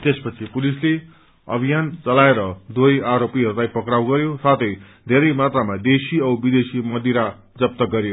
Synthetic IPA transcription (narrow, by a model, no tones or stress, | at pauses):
t̪espʌt͡sʰipulisle | ʌ̰bʱijant͡sʌlaeɾʌd̪wojaɾopiɦʌɾulajpʌkɾawɡʌɾjosat̪ʰʌj | d̪ʱeɾʌjmat̪ramad̪esiʌwbid̪esimʌd̪iɾa | d͡zʌp̚t̪ʌɡʌɾjo